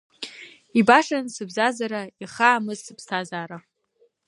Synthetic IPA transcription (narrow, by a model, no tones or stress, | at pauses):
ibaʂansɨbzazaɾaiχaːmɨzɨpstʰazaːɾa